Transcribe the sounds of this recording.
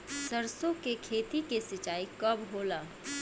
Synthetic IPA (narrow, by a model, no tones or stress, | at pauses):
səɾsõkekʰeːt̪ikesɪt͡ʃaːikəbɦoːlaː